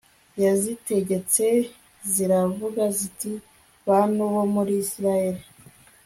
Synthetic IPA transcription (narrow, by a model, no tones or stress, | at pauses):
jazite̞ɟe̞t͡se̞ | ziɾavuɡaziti | βanoβomuɾisiɾajeɾi